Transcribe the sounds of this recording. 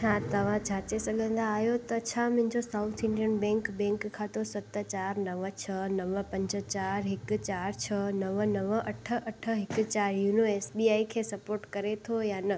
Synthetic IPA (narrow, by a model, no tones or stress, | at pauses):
ɦãt̪ɐʋ̤ãd͡ʑʱaːt͡ɕesɐɠʱə̃nd̪aːɦjot̪ɐt͡ɕʰamʊ̃ɦɪ̃ɲd͡ʑosaːʊt̪ʰɪ̃ɳɖiənbɛ̃ːŋkbɛ̃ːŋkkʰːãt̪ʰosɐt̪ət͡ɕaːɾnɐʋət͡ɕʰənɐʋəpɐ̃ɲd͡ʑə̆t͡ɕaːɾɦɪk̆t͡ɕaːɾt͡ɕʰənɐʋənɐʋəɐʈʰə̆ʔɐʈʰəɦɪkt͡ɕaːɾjuːnoeːsbiaːikʰeːsɐpoːɾʈkɐɾet̪ʰojaːnɐ